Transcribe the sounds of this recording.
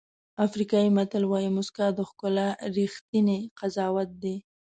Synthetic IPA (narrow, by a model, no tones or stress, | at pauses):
afɾikɑjimat̪əlwɑjimʊskad̪əxkʊlaɾixt̪ineqazɑwat̪̚d̪e